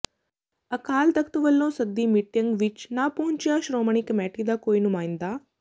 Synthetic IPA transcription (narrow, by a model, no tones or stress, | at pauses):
ɐkaːlt̪ɐkʰt̪uʋəlːõːsɐɡ̚d̪iːmɪʈjəŋɡʋɪt͡ʃnaːpoɦʊ̃ɲt͡ʃijaːʃɾoːməɳ̃ikmɛːʈid̪aːkoːinʊmaːĩnd̪aː